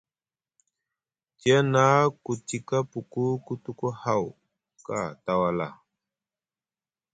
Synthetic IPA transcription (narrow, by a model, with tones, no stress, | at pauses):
ti˦a˦na˦ku˨ti˨ka˦pu˨ku˦ku˦tu˦ku˦ha˦˨w | ka̰˨ta˨wa˨la̰˨